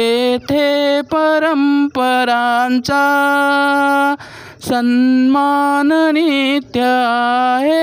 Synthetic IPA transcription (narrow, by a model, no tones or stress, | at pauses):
t̪ʰepɐɾɐmpɐɾaːnt͡sa | sɐnmaːnnit̪jɐ | ɦe